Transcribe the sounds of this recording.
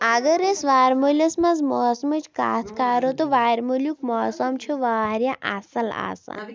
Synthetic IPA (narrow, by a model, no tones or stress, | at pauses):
ɐɡɐɾesʋaːɾmolʲɐsmɐzmoːsmɐt͡ʃʰka̰ːt̪ʰkaːɾot̪oʋaːɾmulʲjukmɔːsɐmt͡ʃʰuʋaːɾjaʔa̰sɐla̰ːsa̰